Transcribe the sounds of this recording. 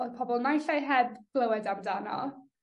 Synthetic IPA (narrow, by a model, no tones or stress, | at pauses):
o̥pʰɔbɔlˠnajɬajɦɛdɡ̥lˠəwɛdamdanɔ̰